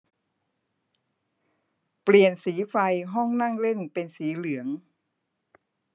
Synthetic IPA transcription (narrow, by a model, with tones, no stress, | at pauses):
pli˨˩ənsiː˩˦fa˧jɦɔ˥˩ŋna˥˩ŋle˥˩npe˧nsiː˩˦lɯ˩˦əŋ